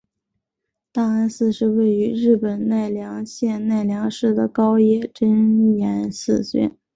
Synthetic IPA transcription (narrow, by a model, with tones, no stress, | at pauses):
t̪a˥˩a˥nsɹ̩˥˧ʂɻ̩˥˧we˥˩ɪy˧˥ɻɻ̩˥˩pə˨˩nna˥˩ɪljɑ˧˥ŋɕjɛ˥˧nna˥˩ɪljɑ˧˥ŋʂɻ̩˥˩d̪ə˩kɑ˥ʊjɛ˥˩ʈ͡ʂə˥n˩jɛ˧˥nsɹ̩˥˧ɕɥɛ̰˥˩˦n